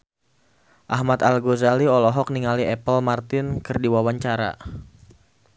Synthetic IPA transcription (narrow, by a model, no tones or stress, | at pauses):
ʔahmat̪alɡozaliɔlɔɦɔk̚niŋaliʔɛpəlmart̪ɪnkɨrdiwawaɲt͡ʃaɾa̰